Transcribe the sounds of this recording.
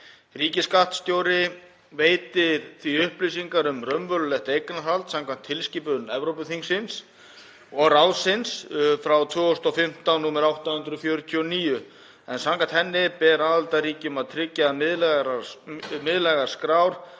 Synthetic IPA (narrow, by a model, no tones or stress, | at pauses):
riːcɪskaht̪st̪joːwɾɪ | veːjt̪ɪɾ̥θviʏhplisiŋkaɾʏmrœmvœlʏlɛht̪ejknaalt̪sãmkʰvam̥t̪ʰːɪlsciːpʏnɛvɾowpʏθiŋsɪns | ɔɣɾawðsɪnsfɾawt̪ʰvʏːɔst̪ɔfɪm̥t̪annuːmɪɾawht̪ahʏnt̪ɾʏfjœːɾʏt̪ʰjniːjʏ | ɛnsamkant̪hɛnːɪpɛːɾaðalt̪aɾiːcʏmaðt̪ʰɾɪcːamɪðlɾ | mɪðlɛɣaɾ̥skɾawɾ̥